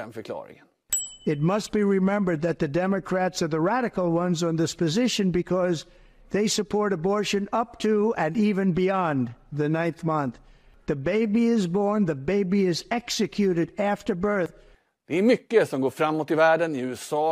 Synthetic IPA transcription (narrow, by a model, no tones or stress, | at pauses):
ɛnfəkʰlɑ̰ːɾɪ̰ŋən | ɨt̚mʌst̚b̥iɹɪmɛ̃mbə˞d̪̚ðɨt̪̚ðɨdɛmɨkʰɹ̥ætsə˞ðəɹæɾɨkl̩ˠwʌ̃nzn̩ðɪspʰɨzɪʃɨ̃nbɨkʰʌz | ðeɪsɨpʰɔɹɾəbɔɹʃɨ̃nʌp̚tʰuɨ̃nivɨ̃nbiɑ̃nðɨnãɪ̃nθmʌ̃nθ | ðɨbeɪbiɪzbɔɹnðɨbeɪbiɪzɛksɨkʰjʉɾɨɾæftə˞bɜ˞θ | d̪̥ɛæɾmʏkːəsɔmɡoːɾfɾamːoːt̪ɪvæːɖənɪʉːɛsɑː